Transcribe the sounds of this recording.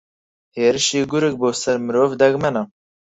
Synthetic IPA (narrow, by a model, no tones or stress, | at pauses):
heːɾɪʃiːɡuɾɨk̚boːsɛɾmɨɾoːvd̪ɛɡmɛnɑ